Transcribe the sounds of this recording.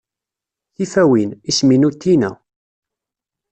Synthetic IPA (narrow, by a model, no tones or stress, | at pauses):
θifæwinisminut̪ːinæ̰